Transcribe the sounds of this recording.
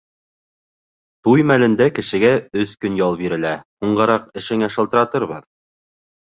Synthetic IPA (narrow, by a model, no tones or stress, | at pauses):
t̪ujmælɘ̆nd̪ækɘ̆ʃɘ̆ɡæɵskɵnjɑlˠbiɾɘ̆læhuɴɢɤ̆ɾɑqɘ̆ʃɘ̆ŋæʃɤ̆lˠt̪ɤ̆ɾɑt̪ɤɾβɤð